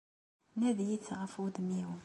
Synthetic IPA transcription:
næðjit͡sːʁəfud̪miwə

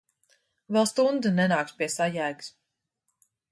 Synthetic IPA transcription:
vɛlˠst̪und̪ɨnɛnaːkspiɛsajæjɡs

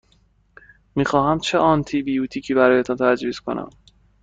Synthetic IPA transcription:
miːxɒːɦæmt͡ʃʰeʔɒnt̪ʰibijuːt̪ʰiːcʰiːbæɾɒːjet̪ʰɔnt̪ʰæd͡ʒviːz̥kʰo̞̰nʔæ̰m

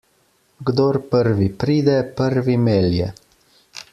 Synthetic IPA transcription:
ɡd̪oːɾpəɾʋipɾiːd̪ɛpəɾʋimeːljɛ

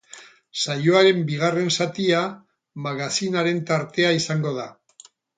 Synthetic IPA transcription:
sajo̞aɾe̞mbiɣ̞are̞nsat̪ia | maɣasinaɾe̞nt̪aɾt̪e̞aisaŋɡo̞ða

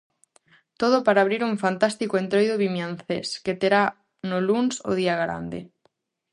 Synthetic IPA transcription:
t̪oð̞ʊpaɾaːβ̞ɾiɾuɱfant̪ast̪ikoent̪ɾojðoβimjanθḛsket̪eɾa | nolunso̰ðiaɣɾa̰nd̪ḛ

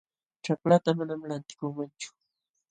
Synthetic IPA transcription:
ʈ͡ʂaklat̪amanamlant̪ɪ̥kʊŋmant͡ʃʊ̥

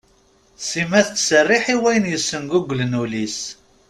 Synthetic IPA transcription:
simæθt͡sːsərːiħiwæjənjəsːənɡuɡʷlənulis

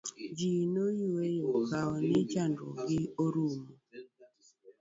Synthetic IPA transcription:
d͡ʒinojuwejokaɔnɪt͡ʃandɔ̰ɡɪoɾumo

